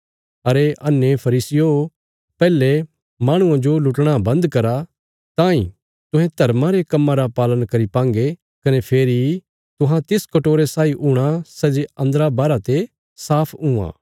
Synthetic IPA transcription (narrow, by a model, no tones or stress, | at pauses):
ɐɾeʔɐnːepʰɐɾiːsɪjo | pɛːle | mãːɽ̃ʊ̃ãd͡ʒolʊʈɽ̃abɐ̃nd̪kɐɾa | t̪ãːĩ | t̪ʊ̃ɦɛ̃t̪ɐɾmãɾekɐmːãɾapaːlənkɐɾipãːŋɡe | kɐnepʰeːɾi | t̪ʊ̃ɦãt̪ɪskɐʈoːɾesaːiʔʊɽ̃asɛd͡ʒeɐ̃nd̪əɾabaːɾat̪e | saːpʰũã̰ː